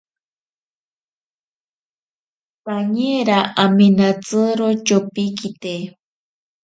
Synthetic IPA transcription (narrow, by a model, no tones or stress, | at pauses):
paɲeɾaʔaminat͡sɨɾot͡ʃopikit̪e